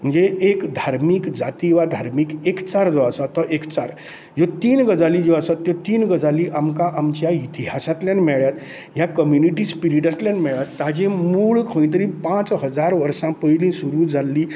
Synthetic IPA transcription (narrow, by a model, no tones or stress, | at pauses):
m̤ənd͡zeʔekd̪ʱaɾmiːkd͡zat̪iʋad̪ʱaɾmikekt͡saɾd͡zɔəsat̪ɔʔekt͡saɾ | jot̪iːnɡəd͡zalid͡ʑoəsat̪ːjot̪iːnɡəd͡zaliʔamkãʔamt͡ɕjait̪iɦasat̪ljanmɛɭjat̪ | ɦjakəmjuniʈispiɾiʈat̪ljanmɛɭat̪ːad͡ʑẽmuːɭkʰə̃j̃t̪əɾĩpãt͡sɦəd͡zaɾʋəɾsãpəjlĩsuɾuːd͡zalːiː